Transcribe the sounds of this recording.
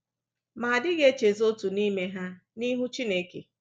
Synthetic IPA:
maː˨dɪ˦ɣe˦t͡ʃe˨zo˦tu˨ni˦me˦ɦa˦ | ni˦ɦʊ˦t͡ʃi˦ne˦kḛ˨

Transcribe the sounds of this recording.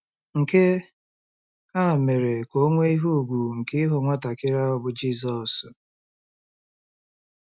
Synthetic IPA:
ŋ̩˨ke˦ | a˦˨me˨ɾe˨ko˦ŋʷe˦i˦ɦu˦˨ɡʷu˨ŋ̩˨kɪ˦ɦʊ˨ŋʷa˦ta˨kɪ˦ɾa˦ɔ˦bʊ˨d͡ʒi˦s̬ɔ˨s

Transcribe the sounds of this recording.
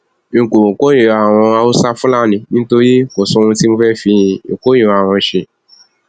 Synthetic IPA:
e˨ko˨o˨ko˦je˨a˨w̃ɔ̃˧a˧o˦sa˦fu˦la˦˨nĩ˧nĩ˦to˦ɾi˦ko˨sɔ̃˦˧ũ˧ti˦mũ˧˦fɛ˦fi˧˦jĩ˧o̰˨ko˦je˨wa˨w̃ɔ̃˧˦ʃe˧

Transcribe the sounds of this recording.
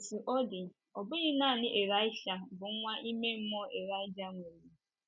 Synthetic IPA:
su˨ʔɔ˦dɪ˨ | ɔ˨bʊ˦ɲɪ˦na˦˨nɪ˦ʔe˨ɾa˦ɪ˦ʃa˨bʊ˨˦ŋʷa˦ʔi˦me˦m̩˦mɔ˦e˨ɾa˦ɪ˦d͡ʒa˦ŋʷe˨ɾi˨

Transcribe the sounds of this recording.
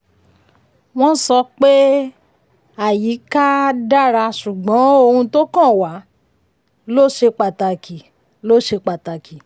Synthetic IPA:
w̃ɔ̃˦n̩˦sɔ˧k͡pe˦ | a˦˨ji˨˦ka˦da˦ɾa˧ʃu˨ɡ͡bɔ̃˨˦o˧hũ˧to˦kã˦˨wa˨˦ | lo˦˨ʃe˧k͡pa˨ta˧˨ki˨ | lo˦˨ʃe˧k͡pa˨ta˨ki˨

